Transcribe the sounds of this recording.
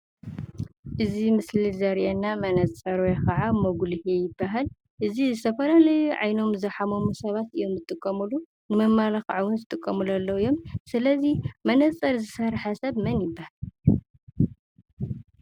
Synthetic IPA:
ʔɨzimɨslizɐɾʔenːamɐnɐt͡sʼɐɾwekɐʕamɐɡulhejɪbːaɦal | ʔɨzizɨt̪ʰɐfɐlalɐjuʕa̰jno̞mzɐħamomusɐβat̪ɨjːo̞mzɨt̪ʼɨkʼːɐmulu | nɨmɐmːalaxʕawʊnzɨt̪ʼɨkʼːɐmulalːɐwɨjo̞msɨlɐzimɐnɐt͡sʼɐɾzɨsɐɾħasɐβmɐnjɪbːahal

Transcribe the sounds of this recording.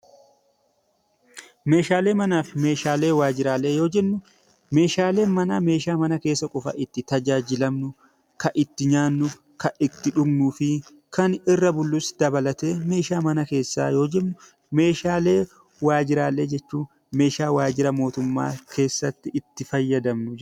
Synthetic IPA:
me̞ːʃaːle̞ːmɐnaːfɪme̞ːʃaːle̞ːwaːd͡ʒɪɾaːle̞ːjo̞ːd͡ʒɛmːʊ | me̞ːʃaːle̞ːmɐnaːme̞ːʃaːmɐnɐke̞ːsːɐkʼɔfɐ̰ʔɪt̪ːɪt̪ɐd͡ʒaːd͡ʒɪlɐmnʊ | kɐʔɪt̪ːɪɲaːnːʊ | kɐʔɪt̪ːɪᶑʊbnuːfɪ | kɐnɪrːɐbʊlːʊsd̪̥ɐbɐlɐt̪e̞ːme̞ːʃaːmɐnɐke̞ːsːa̰ːjo̞ːd͡ʒɛmnʊ | me̞ːʃaːle̞ː | waːd͡ʒɪɾaːlːe̞ːd͡ʒɛt͡ʃːuː | me̞ːʃaːwaːd͡ʒɪɾɐmo̞ːt̪ʊmːa̰ːkʰe̞ːsːɐt̪ːɪɪt̪ːɪfɐjːɐd̪ɐmnʊ

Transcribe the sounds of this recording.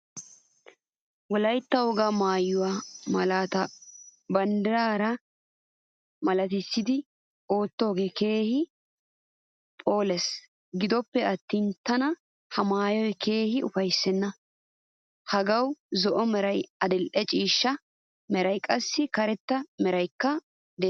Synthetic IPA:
wɔlɐjt̪ːɐwɔɡamaːjːʊwamɐlaːt̪ɐbɐnd̪ɪɾaːɾɐ | mɐlɐt̪ɪsːɪd̪ɪ | o̞ːt̪ːo̞ːɡeːke̞ːhɪ | pʼo̞ːlɛs | ɡɪd̪ɔpːɛɐt̪ːint̪ɐnɐ | hɐmaːjɔjke̞ːhɪʊfɐjsːɛnːɐ | hɐɡɐwzɔʔɔmɛɾɐjɐd̪ɪlʔɛt͡ʃʼiːʃːɐ | mɛɾɐjkʼɐsːɪkɐɾɛt̪ːɐmɛɾɐjkːɐ | d̪ɛ

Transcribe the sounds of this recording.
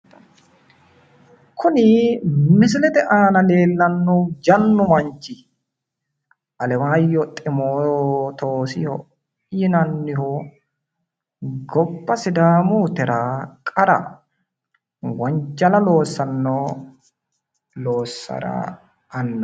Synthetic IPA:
kʰʊnɪmɪsɪlɛt̪ɛʔaːnɐle̞ːlːɐnːʊd͡ʒɐnːʊmɐnt͡ʃːɪ | ʔɐlɛwaːjːɔt̪ʼɪmoːt̪oːsɪhɔ | jɪnɐnːɪhɔ | ɡɔbːɐsɪd̪aːmuːt̪ɛɾaːkʼɐɾɐ̰ | wɐɲd͡ʒɐlɐlo̞ːsːɐnːoː | loːsːɐ̰ɾa̰ | ɐnːɐ

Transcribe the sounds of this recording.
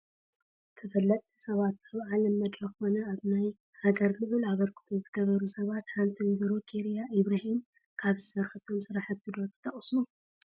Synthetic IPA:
t̪ʰɨfɐlːɐt̪ʼisɐβat̪aβʕalɐmːɐd̪ɾɐxxo̞nɐaβnaj | haɡɐɾlɨβɨlaβɐɾkʰɨ̥t̪ʰozɨɡɐβɐɾusɐβat̪ħant̪ʰinzɨɾokʰʼiɾijaʔiβɾahim | kʰaβzɨsɐɾħɨt̪ʰo̞msɨɾaħat̪ʰːɨd̪ot̪ʰːɨ̥t̪ʰɐχʼsu

